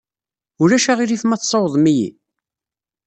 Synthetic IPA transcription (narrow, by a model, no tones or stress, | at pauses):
ʊɾæʃaʁiɾiθmæθsˤɑwəðˤmijḭ